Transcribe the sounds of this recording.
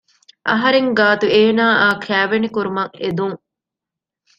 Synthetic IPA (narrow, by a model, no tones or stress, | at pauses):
ʔɐ̰ɦɐɾeŋɡaːt̪ueːnaːʔaːkʰæːʋenekuɾumɐŋed̪uŋ